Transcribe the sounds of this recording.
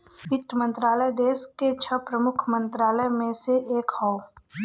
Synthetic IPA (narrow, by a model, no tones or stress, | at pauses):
pɪt̪mə̃nt̪ɾaːləjd̪eːsket͡ʃʰəpɾəmʊkʰmə̃nt̪ɾaːləjmẽseʔeːkhɔo